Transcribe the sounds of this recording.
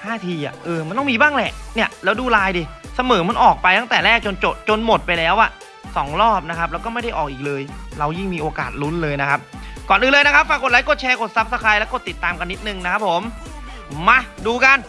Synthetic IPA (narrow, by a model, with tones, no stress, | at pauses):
haː˥˩t̪ʰiː˧ʔa̰˨˩ʔɤː˧ma˧nt̪ɔ˥˩miː˧baː˥˩ŋlɛ˨˩ʔni˥˩ɐlɛː˦˥wduː˧laː˧jdiː˧˩sa˧mɤː˩˦ma˧nʔɔː˨˩k̚pa˧jt̪ʰa˥˩ŋt̪ɛː˨˩lɛː˥˩k̚t͡ɕo˧nt͡ɕo˨˩t͡ɕo˧nmo˨˩t̪̚pa˧jlɛː˦˥wʔa˨˩ʔ | sɔː˩˦ŋɾɔː˥˩p̚na˦˥kʰa˦p̚lːɛ˦˥wkɔː˥˩ma˥˩jda˥˩jʔɔː˨˩k̚ʔiː˨˩k̚lɤː˧jɾa˧wji˥˩ŋmiː˧ʔoː˧ka̰ː˨˩t̪̚lu˦˥nlɤː˧jna˦kʰa˦˥p̚kɔː˨˩nʔɯː˧nlɤː˧jna˦˥kʰa˦˥p̚fa˧ŋko˨˩t̚la˦˥jkɔː˥˩t͡ɕʰɛː˧kʰo˨˩t̪̚sa˦˥p̚sa˧˥kʰaː˧jlɛː˦˥wkɔː˥˩t̪i˨˩t̪ːaː˧mka˧nːi˦˥t̪̚nɯ˨˩ŋna˦˥kʰa˦˥p̚ʰːo˨˩˦mː | a˧˩duː˧ka˧n